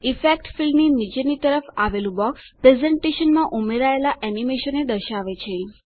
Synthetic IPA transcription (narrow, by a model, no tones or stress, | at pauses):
ifek̚ʈfilminid͡ʒenit̪əɾəfaʋelũbɔkpɾezẽɳʈeʃənmãʔumeɾaelaʔɛnimeʃəned̪əɾʃaʋet͡ʃʰe